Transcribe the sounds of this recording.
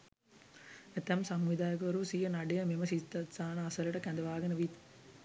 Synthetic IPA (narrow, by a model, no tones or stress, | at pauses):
et̪ɛmsɐmʋid̪aːjɐkʋɐɾusijənɐɖejɐmeməsist̪ɐt̪saːnɐːsɐlɐʈəkænd̪ɐʋaːɡɐnəʋit̪